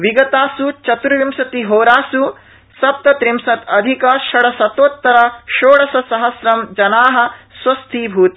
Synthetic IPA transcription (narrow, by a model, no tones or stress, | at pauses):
ʋiɡɐt̪aːsut͡ʃɐt̪ɾuʋimsɐt̪iɦoːɾaːsu | sɐp̚t̪ɐt̪ɾimsɐt̪ɐd̪ʱikɐʃɐɽɐsɐt̪oːt̪ːɐɾɐʃoːɽɐsɐsɐɦɐsɾɐmd͡ʒɐnaːɦɐ̆swɐst̪ʰiːbʱuːt̪i